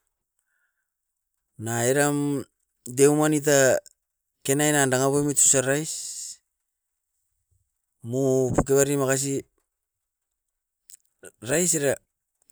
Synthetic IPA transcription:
naeɾam | dewmanit̬a | ke̞najnandaŋaβomitu̥saɾajs | mupukeβaɾimakas̬i | ɾajs̬eɾa

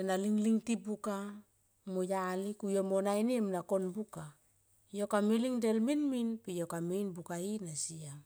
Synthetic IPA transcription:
enaliŋliŋtibuka | mojalikujomonajniemnako̞nbuka | jo̞kamiliŋdelminminpijo̞kamejnbukainasia

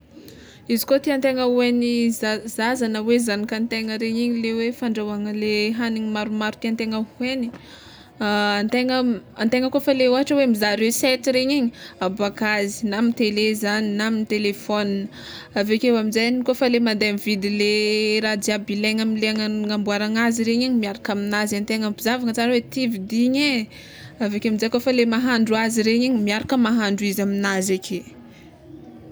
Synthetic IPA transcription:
izikot̪iant̪eŋəuenizazazanəwezanikant̪eŋəɾeɲiɲilewefaɳɖ͡ʐawaŋəleɦaniɲimaɾumaɾuk̪iant̪eŋəueni̥ | ant̪eŋəant̪eŋəkofaleuaʈ͡ʂəwemizaɾeset̪iɾeɲiɲiabakazi̥namint̪elezaninaminit̪elefɔninə | avekewamizajnikofalemand̪ajamvid̪ileɾad̪iabileŋamileaŋŋambuaɾaŋaziɾeɲiɲimiaɾakaminazant̪eŋabizavaŋət͡saɾəwet̪ivid̪iɲe | avekeamizajkofalemaɦaɳɖ͡ʐuaziɾeɲiɲimiaɾakəmaɦaɳɖ͡ʐuizaminazakʲʰe

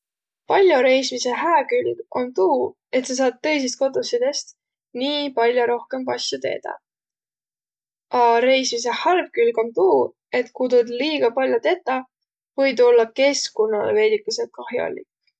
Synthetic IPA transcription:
pɑlʲjoɾe̞jsmise̞ɦæːkylɡ̥o̞̰nt̪uː | e̞t̪ses̬ɑːd̪̚t̪ːɤ̞js̬ist̪̚kod̪usid̪̥e̞st̪ | niːpɑlʲjoɾo̞hke̞mpɑsʲjut̪e̞̰ːd̪̥ɑ̰ | ʔɑɾe̞jsmise̞hɑlb̥̚kylɡ̥o̞nt̪uː | e̞t̪kuːd̪od̪liːɡ̥ɑpɑlʲjot̪e̞t̪ːˑɑ | vɤjd̪o̞lːɑke̞skonːɑlḛve̞ːd̪̥ikːˑiselt̪̚kɑhjo̰lːḭk

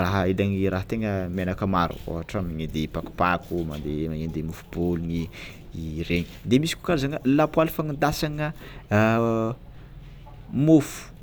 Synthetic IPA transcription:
raɦəilaŋiraɦət̪eŋəmenakəmaɾṵo̰ɦaʈ͡ʂamiɲind̪epaku̥pakuma̰nd̪eaend̪emufu̥b̥oluɲi | ireɲi̥d̪emisi̥ku̥kazaŋəlapwalifaŋind̪asaŋə | mufu̥

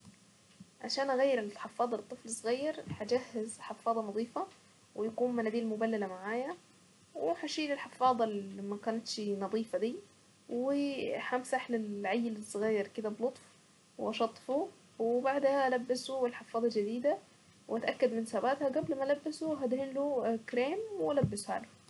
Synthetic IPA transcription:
ʕaʃaːnʔaɣajːɪɾɪlħɑfːɑːd̪ˤɑlt̪ˤːɨflɪsˤːɣajːɑɾhad͡ʒahːɪzħɑfːɑːd̪ˤɑnɑðˤiːfɑ | wɪjakuːnmanad̪iːlmʊbalːalamaʕaːja | wɪħaʃiːlɪlħɑfɑːd̪ˤɑlmakaːnat̪ʃinɑðˤiːfɑd̪iː | wɪħamsaħlɪlʕajːɪlɪsˤːɣaːjːɪɾkɪd̪ablʊt̪ˤf | wʔɑʃɑt̪ˤːfu | wɪbaʕd̪haʔlabːɪsuɪlħɑfːɑːd̪ˤɑld͡ʒɪd̪iːd̪a | wʔat̪ʔakːad̪mɪnsaːbaːt̪haɡablmalabːɪsuɦad̪hɪnlukɾeːmwalabːɪsha̰ːlʊ

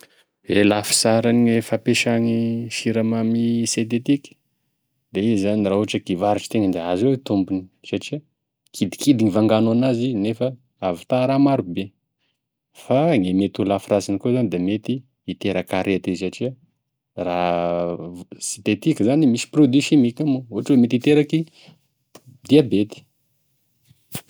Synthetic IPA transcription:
elafi̥saɾaniefapeʃaŋiʃiɾamamiset̪̬et̪ikʲ | d̪eizzaniraɦuaʈ͡ʂəkivaɾiʈ͡ʂi̥t̪eŋənd̪eazewet̪umbuni̥saʈ͡ʂiə | kʰid̪i̥kʰid̪iŋivaŋɡanuanazinefə | avi̥t̪aɾamaɾube | faŋemet̪ulafrasinikozanid̪emet̪iː | t̪eɾakaɾet̪izsaʈ͡ʂiə | ra | si̥nt̪et̪ikəzanimisi̥prod̪isimikamuuaʈ͡ʂwemet̪it̪eɾaki | d̪iabet̪i̥

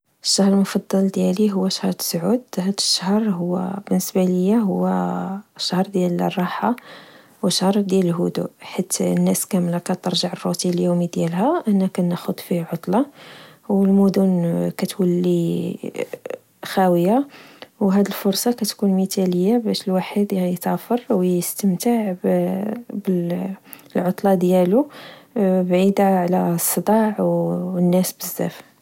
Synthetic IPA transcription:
əʃːɑhɾˤəlmofɑd̪ˤːɑld̪jæliɦʊwːæʃhɾˤt̪sʕud̪hæd̪əʃːəhɾˤɦʊwːæ̰bənːəsbæləjːaɦʊwːæʃːɑhɾˤd̪jælrˤːɑħa | wəʃhɾˤd̪jæləlɦud̪ṵħit̪nːæskæmlækæt̪əɾˤʒəʕərˤːut̪iljumid̪jælɦæʔənːækænəxʊd̪ˤfihʕot̪ˤlɑwəlmud̪ʊnkæt̪wəlːi | xæwəjawɦæd̪əlfʊɾˤsˤɑkæt̪kunmit̪æləjːabæʃəlwaħəd̪jt̪ɑfəɾˤwjəst̪əmt̪aʕ | bə | lʕot̪ˤlɑd̪jælu | bʕid̪aʕlæsˤːəd̪ˤɑʕwnːæsbəzːæ̰f

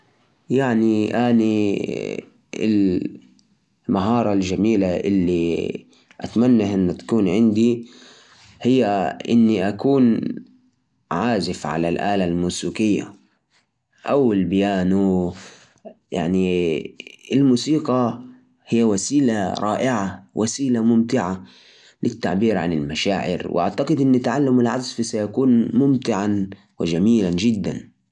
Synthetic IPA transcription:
jaʕniʔaːni | ɪ̰l | maɦɑːɾˤɑld͡ʒamiːlaʔɪlːi | ʔat̪manːaʔʔɪnːt̪ḁkuːnʕɪnd̪i | hɪjːaʔɪnːiʔakuːn | ʕaːzɪfʕa̰lalʔaːlalmuːsiːqɪjːa̰ | ʔawɪlbɪjaːnu | ja̰ʕni | ɪlmuːsiːqɑ | hɪjːawasiːlaɾˤɑːʔɪʕawʔasiːlamʊmt̪ɪʕa | lɪt̪ːa̰ʕbiːɾʕa̰nɪlmaʃaːʕɪ̰ɾwʔa̰ʕt̪aqɪd̪ʔɪnːɪt̪aʕalːamɪlʕazfisajakuːnmʊmt̪ɪʕan | wɪd͡ʒamiːland͡ʒɪd̪ːa̰n

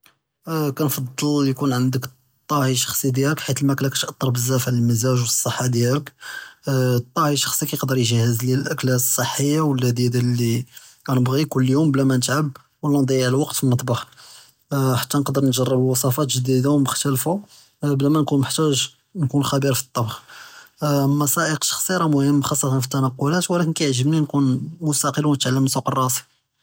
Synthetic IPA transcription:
kænfɑd̪ˤːəljkunʕənd̪ək | t̪ˤːɑhiʃɑ̥xsˤid̪jæləkħit̪əlmæklækæt̪ʔɑt̪ˤːəɾˤbəzːæfʕləlməzæʒwisˤːəħːad̪jælək | t̪ˤːɑhiʃɑ̥xsˤikæjəqd̪əɾˤjʒhəzlælʔæklæsˤːəħːəjːawəlːæd̪æd̪alːikænəbɣikʊlːjumblæmænət̪ʕab̚ | wəlːænd̪ˤɑjːəʕllwɑqt̪finːət̪ˤbɑħ | ħḁt̪ːænəqd̪əɾˤnʒɑrˤːəbəlwɑsˤɑfɑt̪ʒəd̪id̪awməxt̪əlfu | blæmænkunmʊħt̪æʒ | nkunxæbiɾfi̥t̪ˤːɑbx | mɑsɑʔəqʃɑ̥xsˤiɾˤɑmʊhəmːxɑsˤːɑt̪ɑnfi̥t̪ːænæqːʊlæt̪wlækənkæjʕʒəbninkunmʊst̪ɑqəlwnət̪ʕalːəmnsuqərˤːɑsi̥

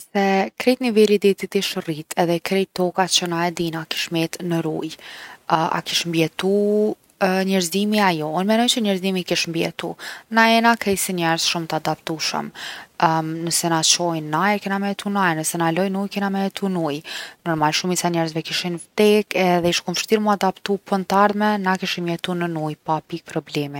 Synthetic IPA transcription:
sɛkɾɛt̪nivɛlid̪it̪it̪iʃrit̪ʰɛðɛkɾɛjt̪ɔkat͡ɕənaɛd̪inaki̥ʃmɛt̪nəɾṵjəa̰kiʃmbjɛt̪u | ɲɛɾzimiajɔunmɛnɔjt͡ʃəɲɛɾzimikiʃmbjɛ̰t̪ṵnaɛnakɛjsiɲɛɾzʃumt̪əad̪apt̪uʃə̰m | nəsɛnat͡ɕɔjnːajɾkɛnamɛɛt̪unajɾnəsɛnalɔjnujkɛnamɛɛt̪ʰunujnɔɾmalʃumisaɲɛɾzvɛkiʃinft̪ɛkɛðɛiʃkumʃt̪iɾmuad̪apt̪upənt̪aɾmɛnakiʃimjɛt̪unənujpapik̚pɾɔblɛmi

